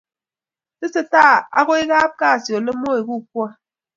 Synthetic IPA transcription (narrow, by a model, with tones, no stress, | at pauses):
sɨ˦sɨ˦ta˦˨a̰˨ɣo˦i˦ɣaː˦p̚ka˦˨sjo˨lɨ˦mo˦e˨ɣu˦k̚wɔ˦˨